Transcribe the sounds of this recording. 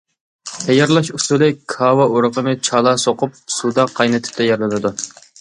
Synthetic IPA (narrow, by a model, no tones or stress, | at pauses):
t̪ʰɛjɑɾlˠɑʃusulˠɪkʰɑːwɑoɾəqəmɪt͡ʃʰɑːlˠɑsoqʊp̚sud̪ɑqʰːɑjnɨt̪ʰɪ̥p̚t̪ʰɛjɛɾlˠɨnɨd̪u